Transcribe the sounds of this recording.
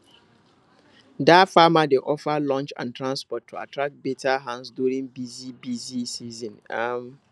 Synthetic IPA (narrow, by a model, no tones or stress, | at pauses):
dafamadeʔɔfalɔ̃nt͡ʃã̰ntʰɹãnspɔtʰːoa̰tʰɹak̚betʰaɦãnsduɾĩŋbizibizisizɔ̃nam